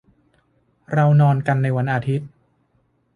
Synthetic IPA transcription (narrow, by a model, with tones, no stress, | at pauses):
ɾa˧wnɔː˧nka˧nːa˧jwa˧nʔaː˧t̪ʰi˦˥t̪̚